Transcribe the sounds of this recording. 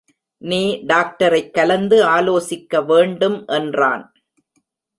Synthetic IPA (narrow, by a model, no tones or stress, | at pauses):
niːɖaːk̚ʈɐɾɐɪkːɐlɐnd̪ɯaːloːsɪkːɐʋeːɳɖɯmʔɛndra̰ːn